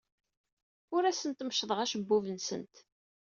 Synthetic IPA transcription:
ʊɾæsənt̪mʃðˤəʁæʃəbːuvənsə̰nt̪

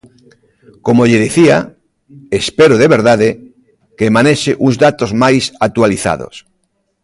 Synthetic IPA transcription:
komoʎeðiθia | espeɾoðeβeɾðaðe | kemaneʃɪʔuŋzðat̪ozmajsat̪waliθa̰ðo̰s

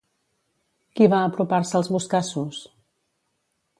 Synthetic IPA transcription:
kiβaəpɾupaɾsəlˠzβuskasus

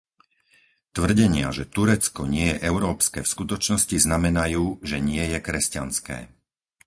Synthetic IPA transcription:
t̪ʋr̩ɟɛɲɪa̰ʒɛt̪uɾɛt͡skɔɲɪɛjɛʔɛʊɾɔːpskɛːfskut̪ɔt͡ʃnɔsciznamɛnajuːʒɛɲɪɛjɛkɾɛscanskɛ̰ː

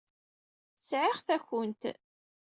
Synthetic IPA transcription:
əsʕɪʁθæçənt̪

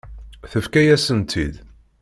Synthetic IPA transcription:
θəfkæjæsənt̪ʰḭd̪

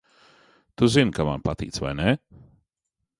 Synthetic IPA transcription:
t̪uzinkama̰npat̪ḭːt̪sva̰jne

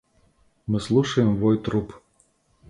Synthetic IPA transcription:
mɨslˠuʂɐjɪmvɔjt̪ɾup

